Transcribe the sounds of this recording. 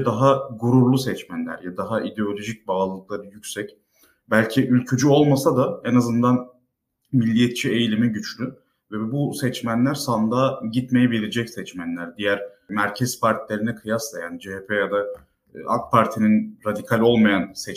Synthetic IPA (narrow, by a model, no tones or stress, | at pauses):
d̪aɦaɡuɾuɾlˠusɛt͡ʃmænlʲæ̰ɾjad̪aɦaʔid̪eo̞lʲo̞ʒic̚baːlˠɯlˠɯk̚lˠaɾɯjycʲsɛc | bælʲcʰiʔylʲcʰyd͡ʒyo̞lˠmasad̪aenazɯnd̪an | milʲːijɛt̪̚t͡ʃʰie̞jlʲimiɟyt͡ʃlʲy | vɛbusɛt͡ʃmænlʲæɾsand̪aːɟit̪me̞jɛbilʲid͡ʒɛcsɛt͡ʃmænlʲæɾd̪ijæɾ | mæɾcʰɛz̥paɾt̪ʰilʲe̞ɾinɛkʰɯjaslˠaja̰ːnid͡ʒeɦepʰejad̪a | a̰kpʰaɾt̪ʰininɾad̪ikʰalʲo̞lˠmajansɛt͡ʃ